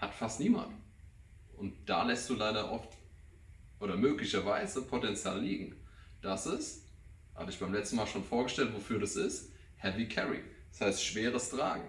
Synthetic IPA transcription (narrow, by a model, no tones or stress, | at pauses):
hatfastniːma̰nt | ʔʊntd̥a̰ːlɛstd̥uːlaɪɾɐʔɔft | ʔoːɾɐmøːklɪçɐvaɪzəpʰotɛnt͡sja̰ːlːiːɡŋ̩d̥asɪs | ha̰bəɪçb̥aɪmlɛt͡stn̩maːlʃoːnfoːɐɡəʃtɛltv̥ofyːɐɾasɪst | hɛvikʰɛʁḭd̥ashaɪstʃv̥eːʁəstʁ̥a̰ːɡŋ̩